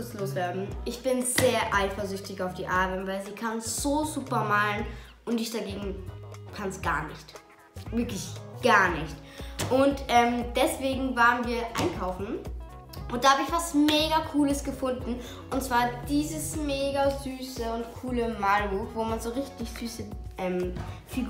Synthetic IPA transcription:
sloːsv̥ɛːɐdn̩ʔɪçb̥ɪnzeːɐʔaɪfɐzʏçtɪçaʊfd̥iːʔaɐbənvaɪlziːkʰanz̥oːzuːpɐmaːln | ʔʊntɪçd̥aɡeːɡŋ̩kʰansɡ̥a̰ːɐnɪçt | vɪɐklɪçɡ̥aːɐnɪçtʔʊntʔɛːmd̥ɛsv̥eːɡŋ̩vaːʁənviːɐʔa̰ɪnkʰaʊfn̩ | ʔʊntd̥aːhaːbəɪçv̥asmeːɡakʰuːləsɡ̥əfʊndn̩ | ʔʊntt͡sv̥aːɐd̥iːzəsmeːɡazyːsəʊntkʰuːləmaːlbuːxvoːmanzoːʁɪçtɪçz̥yːsəʔɛːmfiɡ

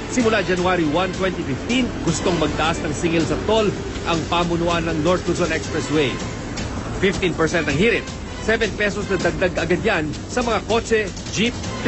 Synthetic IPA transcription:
sɪmʊlad͡ʒɐnʊaɾiwant̪wɛnt̪ifɪft̪inɡ̥ʊst̪oŋmɐɡ̚t̪ɐʔasnɐŋsiŋɛlsɐt̪o̞l | ʔɐŋpaːmʊnʊʔanɐŋnoɹt̪̚ʊsonʔɛkspɹɛswɛj | fɪft̪inpɛɹsɛnt̪̚ɐŋhiɾɪt̪̚ | sɛvɛnpɛsosnɐd̪ɐɡ̚d̪aɡɐɡɐd̪jan | sɐmɐŋako̞t͡ʃɛ | d͡ʒip̚f

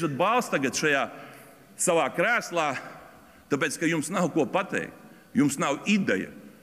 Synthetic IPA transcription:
ʃat̪̚balˠst̪aɡat̪ʃajaː | saʋaːkɾæːslˠaː | t̪ap̬ʲeːt̪skajumsnawkuɔpat̪ɛ̰jk̚t̪ | jumsnawid̪ɛ̰jɐ̰

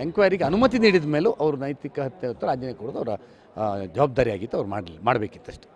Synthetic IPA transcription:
eŋkʋaːjɐɾiɡeɐnumɐt̪̬iniːɽid̪meːluʔɐʋɐɾunɐjt̪ikɐɦɐt̪jɐɐt̪ːuɾaːd͡ʒjɐnekoɽod̪uɐʋɐɾɐ | d͡ʒɐʋaːb̚d̪aːɾijaːɡint̪ːuɐʋɐɾuma̰ːɽmaːɽbe̞ːkit̪ːɐʂʈe̥

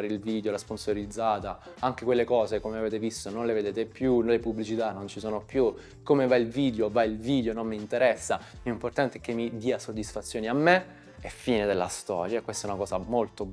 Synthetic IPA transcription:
ɾeilviːd̪jolasponsoɾid̪zːaːt̪a | aŋk̟ekwelːekɔːzekomeaveːt̪evist̪ononleved̪eːt̪epjulepubːlit͡ʃit̪anːont͡ʃisoːnopju | komevailviːd̪jovailviːd̪jonomːiːnt̪eɾɛsːa | miuimport̪ant̪ek̟ːemːid̪iːasod̪ːisfat̪sːjoːniamːe | ɛfːiːned̪elːa̰st̪ɔ̰ːɾjakwest̪aɛunakɔːzamolt̪o

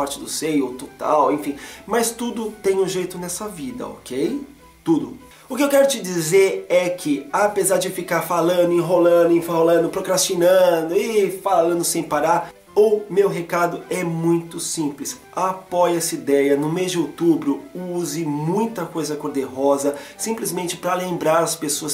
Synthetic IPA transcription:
paɾt͡ʃɪd̪ʊsejot̪ot̪a̰wẽfĩmɐst̪ud̪ʊt̪ẽj̃ʊʒejt̪ʊnɛsɐvid̪ɐ̰o̰kej | t̪ud̪ʊ | ʊkɪewkɛɾʊt͡ʃɪd͡ʒizeɾɛkʰɪapezaɾd͡ʒɪfikaɾfalɐ̃d̪ʊĩɦolɐ̃d̪ʊĩfholɐ̃nd̪ʊpɾokɾast͡ʃinɐ̃d̪ʊɪfalɐ̃nd̪ʊsẽj̃paɾaɾ | owmewɦekad̪ʊɛmũj̃t̪ʊsĩplɪs | apɔjɛsid̪ɛjɐnʊmezd͡ʒɪowt̪ubɾʊuzɪmũj̃t̪ɐkojzɐkoɾd̪eɦɔzɐsĩplɪzmẽnt͡ʃɪ̥pɾɐlẽmbɾaɾɐspesoɐs

